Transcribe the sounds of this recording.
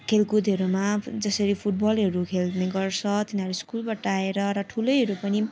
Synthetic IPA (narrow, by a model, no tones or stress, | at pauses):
kʰelkud̪ʱɦʌɾumad͡zʌsʌɾipʰuʈ̚bʌlɦʌɾukʰelneɡʌrt͡sʰʌt̪inaɾuskulpʌʈːaeɾʌɾʌʈʰulʌjɦʌɾupʌni